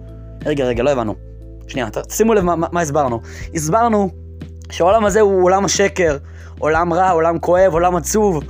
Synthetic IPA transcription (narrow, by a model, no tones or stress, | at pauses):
ʁeɡeʁeɡalo̞evanṵ | ʃnia̰t̪ḁsimuelevmaamais̬baʁnu | isbaʁnu | ʃeaolamazeuolamaʃe̞ke̞ʁ | olamʁaolamkʰo̞e̞vo̞lamat͡suv